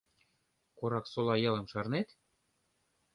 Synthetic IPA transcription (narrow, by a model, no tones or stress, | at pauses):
koɾɑksolˠɑjɤ̆lˠɤ̆mʃɑrnet̪